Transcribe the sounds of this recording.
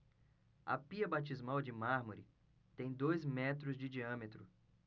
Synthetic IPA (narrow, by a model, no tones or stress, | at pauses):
ɐ̰piɐbat͡ʃizmawd͡ʒɪmaɾmoɾɪ | t̪ẽj̃d̪ojzmɛt̪ɾʊzd͡ʒɪd͡ʒiɐ̃met̪ɾʊ